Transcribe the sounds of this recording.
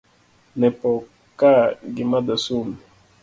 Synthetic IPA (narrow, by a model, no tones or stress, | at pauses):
nɛpɔ | kaɡimad̪asumi